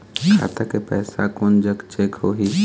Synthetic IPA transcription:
kʰa̰ːt̪akepɛːsa̰kʊnd͡ʒəkt͡ʃeːkɦoːɦi

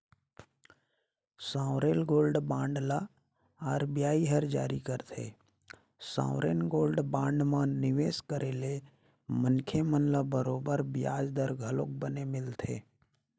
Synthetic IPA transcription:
sãːʊɾeːlɡoːlɖbãːɳɖla | aːɾbjaːiɦəɾd͡ʒa̰ːɾikəɾt̪ʰḛː | sã̰ːʊɾeːnɡoːlɖbãːɳɖmãnɪʋeːskəɾʔeːle | mənkʰemənlabəɾoːbəɾbɪja̰ːd͡ʒd̪əɾɡʱəloːk̚bənemɪlt̪ʰḛː

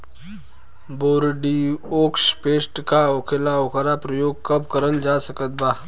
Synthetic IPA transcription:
boːɾɖioːkʃpeːsʈkaoːkʰelaoːkʰaɾapɾəjoːɡ̚kɐbkəɾənd͡ʒaːsəkət̪̚baː

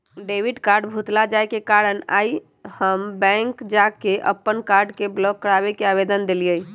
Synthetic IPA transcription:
ɖeʋiɖkaɾɖbʱut̪lad͡ʒaekekaɾəna̰i | həmbɛ̃ŋkd͡ʒakeʔə̰pːənkaɾɖkeblɔkːəɽabekeabed̪ənd̪eliə

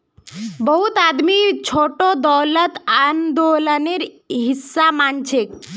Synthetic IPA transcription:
bɔɦut̪ad̪mit͡ɕʰoʈod̪ɔwlət̪and̪olaneɾ | ɦisːamant͡ɕʰek̚

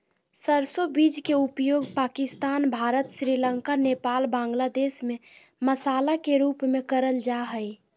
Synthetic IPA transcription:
səɾsobid͡ʒkeupjoːɡpaːkɪst̪aːnbʱaɾət̪sɾiləŋkanepaːlbãŋɡlad̪eːsmẽ | məsaːlakeɾupmẽkəɾəld͡ʒaɦəj

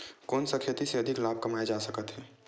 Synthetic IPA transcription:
kɔːnsɐkʰet̪iseɐd̪ʱɪklaːb̚ʱkɐmaed͡ʒaːsəkət̪ɦɛː

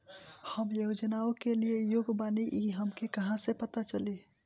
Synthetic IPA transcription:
həmjoʊd͡ʒənaõkeliejoɡbaniʔiɦəmkekəɦãsepət̪at͡ʃəli

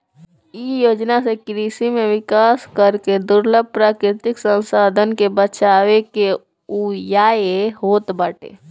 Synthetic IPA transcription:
ijoːd͡ʒnasekɾiːsimẽʋɪkaːskəɾked̪ʊɾləb̚pɾaːkɾɪt̪ɪksə̃nsaːd̪ʱənkebət͡ʃaːweke | ujaːehoːt̪baːʈḛː

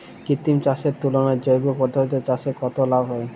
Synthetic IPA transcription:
kit̪imt͡ɕaʃeɾt̪ulonaɾd͡ʑojɡopɔɾd̪ʱoɾit̪̬ot͡ɕaʃekɔt̪olabʱɦɔe

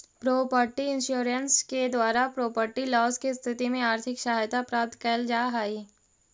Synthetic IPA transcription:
pɾoːpəɾʈiɪ̃nʃuːɾənsked̪waːɾapɾoːpəɾʈilɔːskist̪ʰɪt̪imẽaːɾt̪ʰɪkʃaɦajt̪apɾaːp̚t̪kəːld͡ʒaːɦaːi

